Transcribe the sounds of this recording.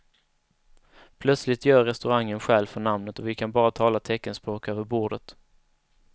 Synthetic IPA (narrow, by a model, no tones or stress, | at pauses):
pʰlœt̪slɪt̪jœːɾɛst̪ɵɾaŋːənɧɛːlfœɳamnət̪ɔvɪkʰanbɑːɾat̪ʰɑːlat̪ʰɛkːənspɾoːkøːvəɾbuːɖət̪